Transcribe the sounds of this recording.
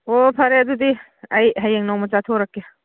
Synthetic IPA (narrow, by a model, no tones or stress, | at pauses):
opʰaɾeadudi | ajɦajeŋnawmɐt͡ʃatʰoɾakːe